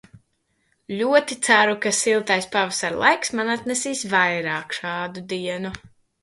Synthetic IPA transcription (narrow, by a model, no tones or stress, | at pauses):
ʎʲuɔt̪it̪sæɾukasilˠt̪ajspavasaɾlˠa̰jksmanat̪nɛsiːsvajɾaːkʃɑːd̪ud̪iɛnu